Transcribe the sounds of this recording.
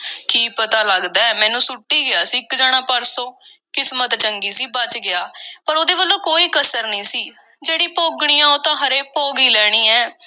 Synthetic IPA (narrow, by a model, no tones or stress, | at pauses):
kiːpət̪aːləɡd̪aːɛːmɛ̃ːnũːsʊʈːiːɡɪaːsikd͡ʒaːɽ̃aːpəɾsõː | kɪsmət̪t͡ʃəŋɡiːsiːbət͡ʃɡɪaːpəɾoːd̪eːbəlːõːkoːiːkəsəɾnĩːsiː | d͡ʒeːɽiːpoːɡɽ̃iːãːoːt̪ãːɦəɾeːpoːɡiːlɛːɽ̃iːɛː